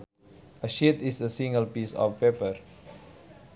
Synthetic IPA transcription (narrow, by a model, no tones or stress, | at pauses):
ʔəʃit̪isəsĩŋɡəlpisɔ̰fpepər